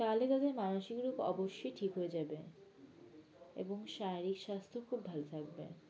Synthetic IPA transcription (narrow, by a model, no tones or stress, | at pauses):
kalet̪ad̪eɾmanoʃiɡɾokɔ̰boʃːojʈʰikɦoed͡ʑabe | ḛboŋʃajɾikʃast̪ʰokʰubːʱalot̪ʰak̚bḛ